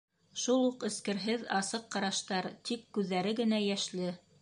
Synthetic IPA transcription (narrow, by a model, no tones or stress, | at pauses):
ʃulˠuqɘ̆skɘ̆ɾɦɘðɑsɤqːɑɾɑʃt̪ɑɾt̪ikːʉðːæɾɘɡɘ̆næjæʃlɘ